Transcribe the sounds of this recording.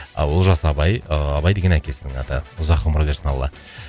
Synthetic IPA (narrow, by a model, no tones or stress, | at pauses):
wolˠʒɑsɑbɑjɑbɑjd̪eɡʲenækʲe̞sɪd̪ɪŋɑ̰t̪əʊzɑqːəmɾobeɾsənɑlˠːɑ